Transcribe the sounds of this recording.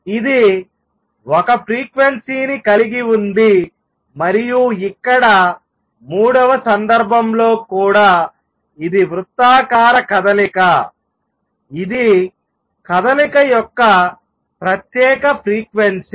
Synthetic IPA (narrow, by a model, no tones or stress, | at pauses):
id̪i | wɔkɐpɾiːkʋensiːnikɐliɡiund̪i | mɐɾijuikːɐɽɐ | muːɽɐʋɐsɐnd̪ɐɾbʱɐmlo̞ːkuːɽaː | id̪iʋɾut̪ːaːkaːɾɐkɐd̪ɐlikɐ | id̪i | kɐd̪ɐlikɐjɔkːɐ | pɾɐt̪jɛːkɐpʰɾiːkʋens